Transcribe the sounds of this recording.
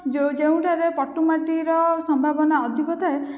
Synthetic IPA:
d͡ʒewd͡ʒeũʈʰaɾepɔʈːumaʈiɾɔsɔmbʱabɔnaɔd̪ʱikɔt̪ʰae

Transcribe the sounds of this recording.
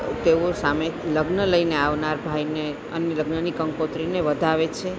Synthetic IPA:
t̪eosameləɡnələineaʋnaɾbʱajne | ənjələɡnənikəŋkot̪ɾineʋəd̪ʱaʋet͡ʃʰe

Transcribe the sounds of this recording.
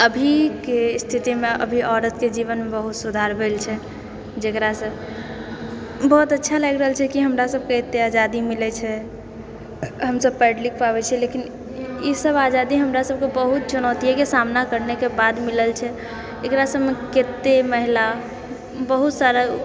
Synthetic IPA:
əbʱikest̪ʰit̪imeʔə̰bʱiʔɔɾət̪ked͡ʒiʋənmebəɦut̪sud̪ʱaɾbʱelt͡ʃʰɛ | d͡ʒekɾasə̃b | bɔɦt̪ətːʃʰaləɡɾəɦəlt͡ʃʰɛkiɦəmɾasəb̚ket̪ːead͡ʒad̪imilɛt͡ʃʰɛ | ɦəmsəb̚pɛɖlik̚ʰpaβɛt͡ʃʰɛlekin | isəbad͡ʒad̪iɦəmɾasəb̚kebəɦut̪̚t͡ʃunəʊt̪ijakesamnakəɾnekebad̪miləlt͡ʃʰɛ | ekɾasəbmeket̪ːeməɦila | bəɦut̪saɾa

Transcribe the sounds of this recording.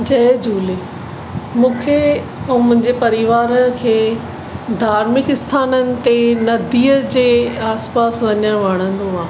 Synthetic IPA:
d͡ʑɐɦd͡ʑuːle | mũːkʰe | ũːmʊ̃ɦɪ̃ɲd͡ʑepɐɾɪʋaːɾə̆kʰeː | d̪ʱaːɾmɪkɪst̪ʰaːnənɪ̆t̪enɐd̪ʱiːəd͡ʑeːaːspaːsʋɐɲəɽ̃ʋɐɽ̤̃ə̃nd̪oaː

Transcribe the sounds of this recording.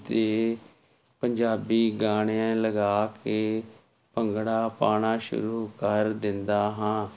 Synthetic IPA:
t̪eː | pəɲd͡ʒaːbiːɡaːɽ̃eãːləɡaːkeː | pəŋɡɽaːpaːɽ̃aːʃʊ̰ɾuːkəɾd̪ɪnd̪aːɦãː

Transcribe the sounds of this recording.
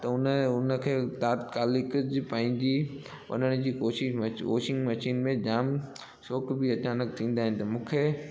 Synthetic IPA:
t̪ɐʊnʊnə̆kʰeːt̪aːt̪kaːlɪkʊd͡ʑɪpɐ̃ɦɪ̃ɲd͡ʑi | ɐ̰nəɽ̃ɪ̆d͡ʑiːkoːʃɪʃʋo̰ːʃɪ̃ŋɡmɐʃiːnmẽd͡ʑaːm | soːkbiɐt͡ɕaːnək̚t̪ʰĩːn̆d̪aːɦɪnɪ̆t̪ɐmũːkʰeː

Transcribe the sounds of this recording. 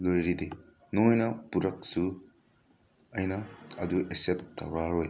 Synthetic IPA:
lojɾide | nojnɐpuɾɐk̚su | ɐjnɐɐduʔeseptʰɐwɾaɾoj

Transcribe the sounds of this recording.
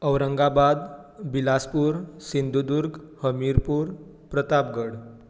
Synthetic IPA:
əwɾəŋɡabad̪bilaspuɾsind̪ʱud̪uɾɡhəmiɾpuːɾ | pɾət̪ap̚ɡəɽ

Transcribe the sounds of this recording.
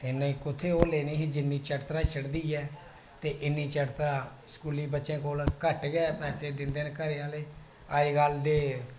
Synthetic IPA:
ɪnãiːkʊt̪ʰeːoːleːniːɦiːd͡ʒɪnːiːt͡ʃəʈt̪ɾaːʃəɽd̪iːɛː | t̪eːʔɪnːiːt͡ʃəʈt̪ɾaː | skuːliːbətːʃẽːkoːlkəʈɡɛːpɛːseːd̪ɪnd̪eːnkəɾeːãːleː | aːiːɡəld̪eː

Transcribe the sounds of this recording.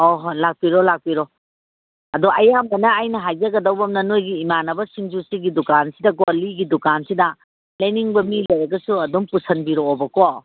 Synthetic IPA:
oɦlak̚piɾɔlak̚piɾɔ | ɐduʔɐjamːɐnɐːjnɐɦajzɐɡɐdɐwbɐmnɐnojɡiːmanɐbɐsiŋzusiɡidukansidɐkoliɡidukansidɐ | lɐjniŋbɐmilɐjɐɡɐsuɐduŋpusɐnbiɾoːbɐko

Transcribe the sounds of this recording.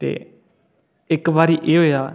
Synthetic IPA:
t̪ḛː | ɪkbaːɾiːʔeːɦoːjaː

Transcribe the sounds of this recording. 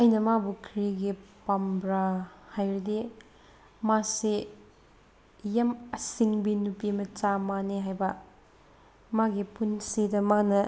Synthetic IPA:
ɐjnɐmabukʰɾiɡipambɾahajɾudi | masi | jamɐsiŋbinupimɐt͡ʃamaneɦajbɐ | maɡipunsidɐmanɐ

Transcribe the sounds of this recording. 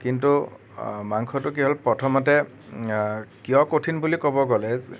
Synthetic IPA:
kintu | maŋkʰɔtʊk̬iɦɔlpɹɔtʰɔmɔtɛ | kijɔkotʰinbulikɔbɔɡɔlɛ

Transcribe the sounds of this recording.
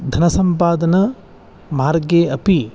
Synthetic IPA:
d̪ʱɐnɐsɐmpaːd̪ɐnɐ | maːɾɡeːɐpi

